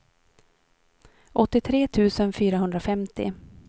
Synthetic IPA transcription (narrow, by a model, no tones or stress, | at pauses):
ʔɔt̪ːɪt̪ʰɾeːt̪ʰʉ̟ːsənfyːɾaɦɵnd̪ɾafɛmt̪ɪ̰